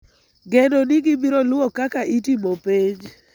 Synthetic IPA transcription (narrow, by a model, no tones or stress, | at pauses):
ɡedoniɡibiɾolʊokakaʔitimopeɲ